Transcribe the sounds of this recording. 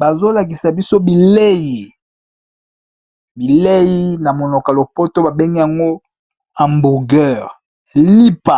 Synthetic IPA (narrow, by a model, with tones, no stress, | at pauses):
ba˨zo˦la˨k̬i˨sa˨bi˦so˦bi˨le˦ji˨ | bi˨le˦ji˦na˨mo˨no˨ka˨lo˨po˦to˦ba˨be˦ŋɡi˦ja˨ŋɡo˦ | a˨mbu˨ɡɛ˦˨ʁ | li˦pa˨